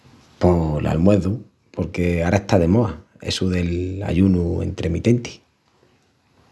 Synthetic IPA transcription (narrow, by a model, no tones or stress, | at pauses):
polʔa̰lmwe̞ðu | poɾke̞aɾaeht̪aðe̞moa | e̞̰suðe̞la̰ʎunue̞̰nt̪ɾemit̪e̞nt̪i̥